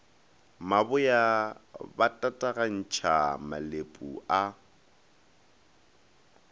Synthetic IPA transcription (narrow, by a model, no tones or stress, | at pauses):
mabʊjabatʼatʼaɣan̩t͡ʃʰama̰lepʼṵa